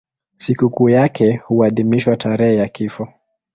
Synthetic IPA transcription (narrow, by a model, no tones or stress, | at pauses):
sikukuːjakʰɛhuaðimiʃwatʰaɾɛhɛjakifɔ